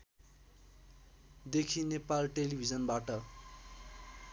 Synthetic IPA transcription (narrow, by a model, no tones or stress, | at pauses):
d̪ekʰinepalʈelibʱid͡zʌnbaʈʌ